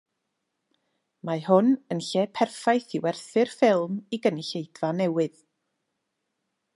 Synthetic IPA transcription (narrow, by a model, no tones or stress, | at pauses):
maɦʊnənɬɛpʰɛrfajθiwɛrθɨrfɪlˠmiɡənɪɬejd̥vanɛwɨð